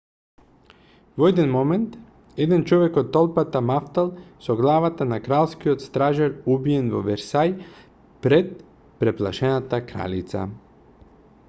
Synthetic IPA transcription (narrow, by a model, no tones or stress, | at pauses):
voɛd̪ɛnmɔmɛnt̪ | ɛd̪ɛnt͡ʃɔvɛkɔt̪ːɔlˠpat̪amaft̪alˠsɔɡlˠavat̪anakɾalˠskiot̪st̪ɾaʒaɾubijɛnvɔ̰vɛɾsaj | pɾɛt̪̚ | pɾɛplˠaʃɛnat̪akɾa̰lit̪sa̰